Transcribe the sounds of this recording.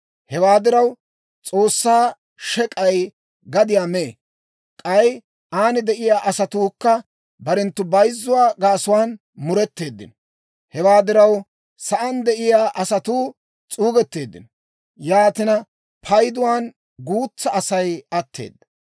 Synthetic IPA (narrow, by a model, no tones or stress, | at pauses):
hɛwaːd̪ɪɾɐw | t͡sʼo̞ːsːaː | ʃɛkʼɐj | ɡɐd̪ɪjaːme | kʼɐj | aːnɪd̪ɛʔɪjaːʔɐsɐt̪uːkːɐ | bɐɾɛnt̪ːʊbɐjzːʊwaːɡaːsʊwaːn | mʊɾɛt̪ːe̞ːd̪ːɪ̰nɔ | hɛwaːd̪ɪɾɐw | sɐʔɐnd̪ɛʔɪjaːʔɐsɐt̪uː | t͡sʼuːɡɛt̪ːe̞ːd̪ːɪ̰nɔ | jaːt̪ɪnɐ | pʰɐjd̪ʊwaːn | ɡuːt͡sːɐʔːsɐjɐt̪ːe̞̰ːd̪ːɐ̥